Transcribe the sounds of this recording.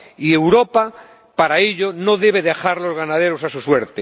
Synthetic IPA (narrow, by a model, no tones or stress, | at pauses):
ie̞wɾo̞pa | paɾaeʎo̞no̞ðe̞β̞eðexaɾlo̞zɣanaðeɾo̞sasusweɾt̪e